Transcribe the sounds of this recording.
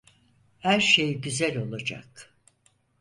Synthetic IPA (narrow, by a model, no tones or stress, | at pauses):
hæɾʃe̞jɟyzælʲo̞lˠad͡ʒa̰k